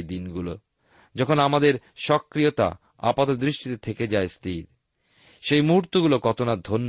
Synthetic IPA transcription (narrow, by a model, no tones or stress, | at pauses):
d̪inɡulo | d͡ʑɔkʰonamad̪eɾʃɔkːɾijot̪a̰ | a̰pat̪od̪ɾiʃʈit̪et̪ʰeked͡ʑaest̪ʰiɾ | ʃejmuɾt̪uɡulokɔt̪onad̪ʱonː